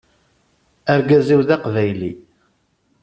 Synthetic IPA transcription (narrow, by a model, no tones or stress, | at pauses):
æɾɡæziwðaqvæjli